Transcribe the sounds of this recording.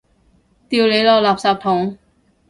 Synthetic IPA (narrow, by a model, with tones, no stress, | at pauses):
t̪iː˨˧wle˨˧jlɔː˨˧klaː˨˩p̚saː˨˩p̚t̪ʰʊ˨˥ŋ